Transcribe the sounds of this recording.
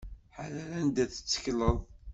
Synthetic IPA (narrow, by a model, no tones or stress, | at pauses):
ħalælænd̪æθə̥t͡sːə̥kləðˤ